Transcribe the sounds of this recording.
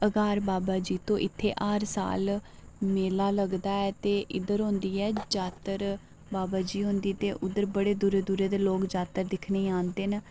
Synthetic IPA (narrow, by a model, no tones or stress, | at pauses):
əɡaːɾbaːbaːd͡ʒiːt̪õːʔɪt̪ʰːḛːʔaːɾsa̰ːl | meːlaːləɡd̪aːɛːt̪eːʔɪd̪əɾɦõːnd̪iːɛːd͡ʒaːt̪əɾ | baːbaːd͡ʒiːɦõːnd̪iːt̪eːʔʊd̪əɾbəɽeːd̪uɾeːd̪uɾeːd̪eːloːkd͡ʒaːt̪əɾd̪ɪkʰneːãːnd̪eːn